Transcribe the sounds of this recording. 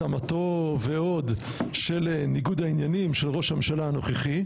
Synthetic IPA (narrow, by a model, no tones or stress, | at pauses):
amat̪oveo̞d̪ | ʃelniɡud̪ainjanimʃelʁo̞ʃhamenʃalaano̞χeχi